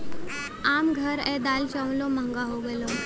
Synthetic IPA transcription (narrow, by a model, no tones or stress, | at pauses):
amɡʱəɾɛd̪alt͡ɕə̃wloməŋɡaɦoɡɛlɔ